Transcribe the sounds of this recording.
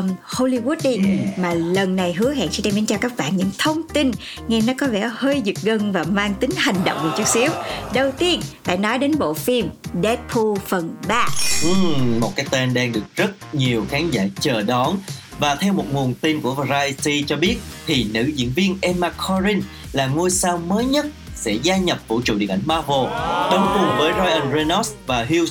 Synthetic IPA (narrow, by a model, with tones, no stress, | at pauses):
mho˧li˧wu˦˥t̚ɗi˧maː˨˩lə˨˩nːa˨˩jɦɨ˨˦əha̰˧˨nsɛ̰˧˥ɗɛ˧mi˨˦nt͡ɕaː˧˩kaː˦˥k̚ɓaː˧˨nɲɨ̰˧˥ŋt̪ʰə˧wŋ͡mt̪i˧n | ŋɛ˧nɔ˨˦kɔ˨˦vɛ̰˧˩həː˧jzɨ˨˩k̚ɣə˧nvaː˨˩maː˧ŋt̪ï˨˦ŋ̟ha˨˩jŋ̟ɗə̰˧˨wŋ͡mvaː˨˧˩t͡ɕɨ˦˥k̚si˨˦əwɗə˨˩wt̪i˧ənfa̰ː˧˨jnɔ˨˦jɗe˨˦nɓo̰˧˨fi˧mɗɛ˦˥t̚pʰu˧fə˨˩nɓaː˧ʔɨ˨˩mo˨˩t̚kaː˨˦jt̪e˧nɗaː˧ŋɗɨ˨˩ək̚zə˦˥t̚ɲi˨˩əwxaː˨˦nza̰ː˧˩t͡ɕəː˨˩ɗɔ˨˦n | vaː˨˩t̪ʰɛ˧wmo˨˩t̚ŋu˨˩ənt̪i˧nku˧˩əvzaː˧i˧si˧t͡ɕɔ˧ɓi˦˥ət̚t̪ʰi˨˩nɨ̰˧˥zḭ˧˥ənvi˧ənʔɛ˧mːaː˧kʰɔ˧zi˧n | laː˨˩ŋo˧jsaː˧wməː˨˦jɲə˦˥t̚sɛ̰˧˥zaː˧ɲə˨˩p̚kṵ˧˩ət͡ɕṵ˧˨ɗḭ˧əʔa˧˩ŋmaː˧vo˧˩ɗə˨˧˦wŋ͡mkʊ˨˩ŋvəː˨˦jzɔ˧jʔə˧nze˧nɔ˦˥svaː˨˩ɦi˧ws